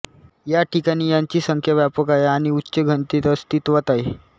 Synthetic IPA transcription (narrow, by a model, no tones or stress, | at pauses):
jaʈʰikaɽ̃iːjaɲt͡ɕiːsəŋkʰjaʋjapəkaeaɽ̃iutːɕəɡʱənt̪it̪əst̪iːt̪ʋat̪aɦe